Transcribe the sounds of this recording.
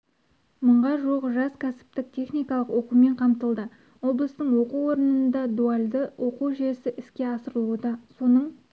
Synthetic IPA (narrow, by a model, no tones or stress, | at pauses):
məɴʁɑʒuʁəʒɑskʲʰæsɪ̥p̚t̪ɪk̚t̪ʲʰe̞χnijkɑlˠəqwo̞qume̞ɴqʰɑmt̪əlˠd̪ə | wo̞blˠəst̪əɴwo̞quwo̞ɾənənd̪ɑd̪ualʲd̪əwʔoquʒesɪʔɪskʲe̞ɑsəɾəlˠuəd̪ɑso̞nəɴ